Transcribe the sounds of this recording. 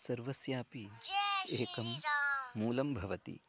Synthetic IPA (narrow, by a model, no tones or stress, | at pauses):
sɐɾʋɐsjaːpi | eːkɐmː | uːlɐmbʱɐʋɐt̪ḭ